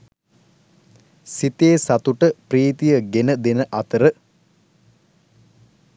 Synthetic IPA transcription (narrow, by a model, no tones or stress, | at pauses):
sit̪eːsat̪uʈəpriːt̪ijəɡenəd̪enəʔɐt̪əɾə